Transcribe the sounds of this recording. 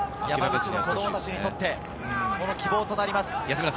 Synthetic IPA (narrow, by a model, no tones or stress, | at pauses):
jamaɡt͡ɕinoko̞d̪o̞mo̞t̪at͡ɕiɲ̟it̪o̞t̪ːe̞ | ko̞no̞kʲibo̞ːt̪o̞naɾʲimasɨ̥js